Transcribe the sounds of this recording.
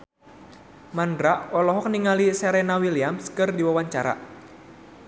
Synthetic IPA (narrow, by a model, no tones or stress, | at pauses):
mandɾaʔɔlɔɦɔk̚niŋalisɛɾɛnawiliamskɨrdiwawaɲt͡ʃaɾa̰